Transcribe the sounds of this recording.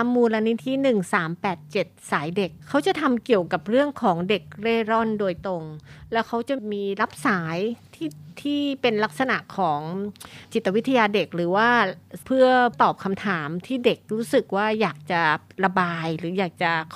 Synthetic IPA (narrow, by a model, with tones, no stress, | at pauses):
a˧mːuː˧la˧ni˦˥t̪ʰi˦˥nɯ˨˩ŋsaː˩˦mpɛː˨˩t̪̚t͡ɕe˨˩t̪̚saː˩˦jde˨˩kʰːa˦˥wt͡ɕa˨˩t̪ʰa˧mki˨˩əwka˨˩p̚ɾɯ˥˩əŋkʰɔː˩˦ŋde˨˩k̚ɾeː˥˩ɾɔ˥˩ndoː˧jt̪o˧ŋlɛː˦˥wkʰa˦˥wt͡ɕa˨˩miː˧la˦˥p̚saː˩˦jt̪ʰiː˥˩t̪ʰiː˥˩pe˧nla˦˥k̚sa˧na˨˩ʔkʰɔː˩˦ŋt͡ɕi˨˩t̪ːa˧wi˦˥t̪ʰːa˧jaː˧de˨˩k̚ɾɯː˩˦waː˥˩pʰɯ˥˩ət̪ɔː˨˩p̚kʰa˧mt̪ʰaː˩˦mt̪ʰiː˥˩de˨˩k̚ɾuː˦˥sɯ˨˩k̚waː˥˩jaː˨˩k̚t͡ɕa˨˩ɾa˧baː˧jɾɯː˩˦jaː˨˩k̚t͡ɕa˨˩